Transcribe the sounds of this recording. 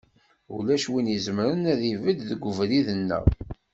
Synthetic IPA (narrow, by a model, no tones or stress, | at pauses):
ṵlæʃwinizəməɾənæðivəd̪ðəɡʷːəvliðənːə̰